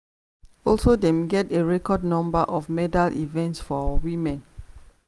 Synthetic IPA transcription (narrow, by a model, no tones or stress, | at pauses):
ɔlsodɛ̃mɡɛteɹɛkɔdnɔ̃mbəʔɔfmɛdalʔḭvɛ̃ntsfɔwimɛ̃n